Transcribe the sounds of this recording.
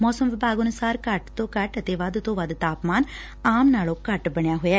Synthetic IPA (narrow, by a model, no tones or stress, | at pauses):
mɔːsəmʋɪbʱaːɡənʊsaːɾkəʈt̪õːkəʈət̪eːʋəd̪t̪õːʋəd̪t̪aːpmaːn | aːmnaːlõːkəʈbəɳjaːɦoːjaɛ